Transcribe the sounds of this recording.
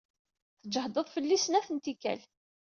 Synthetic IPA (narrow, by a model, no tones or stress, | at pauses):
θəd͡ʒəhd̪ˤəðˤfəlːisənæθənt̪ikːæ̰l